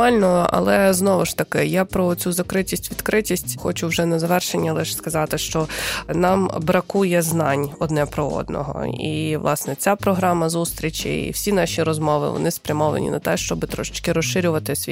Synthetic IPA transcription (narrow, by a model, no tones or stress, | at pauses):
mɑlʲnɔɐ̰lˠɛznɔʋɪʃt̪ɐkɪjapɾɔt͡sʲuzɐkɾɪtʲisʲtʲʋʲid̪kɾɪtʲisʲtʲxɔt͡ʃʊwʒɛnɐzɐʋɛrʃenʲːɐlˠɪʃskɐzɑt̪ɪʃt͡ʃɔnɑmbɾɐkujɛznɑnʲɔd̪nɛpɾɔɔ̰d̪nɔ̰ɦɔ̰ḭʋlˠɑ̰snɛt͡sʲapɾɔɦɾɑmɐzust̪ɾʲit͡ʃʲḭḭwsʲinɑʃʲiɾɔzmɔʋɪ̰ʋɔ̰nɪspɾʲɐmɔʋɐ̰nʲḭnɐ̰t̪ɛʃt͡ʃɔbɪt̪ɾɔʃɪ̥t͡ʃkɪɾɔʃʃɪɾʲʊʋɐt̪ɪsʲʋʲi